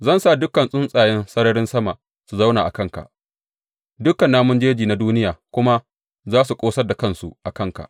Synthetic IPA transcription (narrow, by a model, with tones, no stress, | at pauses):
zɐ˦˨nsa˦˨dʊ˦kːɐ˨nsʼʊ˦nsʼaː˨jɛ˦nsɐ˦ɽɐ˦ɽɪ˦nsɐ˦ma˨ | su˨za˦wnaː˨ʔa̰˨kɐ˦ŋka̰˨ʔ | dʊ˦kːɐ˨nːaː˦mʊ˦nd͡ʒeː˦d͡ʒiː˨na˦duː˦nɪ˦jaː˨kʷʊ˦ma˦ | zaː˦su˨kʷʼoː˦sɐ˦rda˨kɐ˦nsṵ˨ʔa˨kɐ˦˨ŋka̰˨ʔ